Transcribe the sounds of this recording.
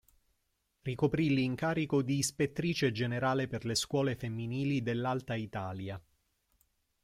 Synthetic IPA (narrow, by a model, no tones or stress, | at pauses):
rikopɾilːiŋkaːɾikod̪iːspet̪ːɾiːt͡ʃed͡ʒeneɾaːleperleskwɔːlefemːiniːlid̪elːalt̪ait̪aːlja